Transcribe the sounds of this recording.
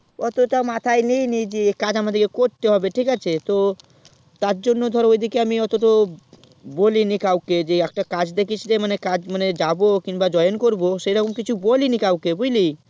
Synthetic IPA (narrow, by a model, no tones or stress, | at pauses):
ɔt̪oʈamat̪ʰajnijnid͡ʑikad͡ʑamad̪eɾkekoɾt̪eɦɔbeʈʰikat͡ɕʰet̪o | t̪aɾd͡ʑonːod̪ʱɔɾeojd̪ikeamiɔt̪oʈo | bolinikawked͡ʑeɛkʈakad͡ʑd̪ekit͡ɕʰlemanekad͡ʑmaned͡ʑabokiŋbad͡ʑɔjonkoɾboʃejɾɔkomkit͡ɕʰubolinikawkebojli